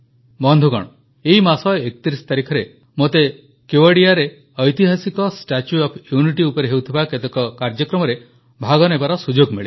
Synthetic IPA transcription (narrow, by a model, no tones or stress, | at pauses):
bɔnd̪ʱuɡɔ̰ɽ̃ɔ | eɦimasɔekɔ̥t̪iɾisɔ̥t̪aɾikʰɔɾe | mot̪e | kjoaɽiaɾe | ɔjt̪iɦasikɔsʈat͡ʃuɔpʰjuniʈiupɔɾeɦewt̪ʰibaket̪ɔkɔkaɾd͡ʒɔkɾɔmɔɾe | bʱaɡɔnebaɾɔsud͡ʒoɡmiɭi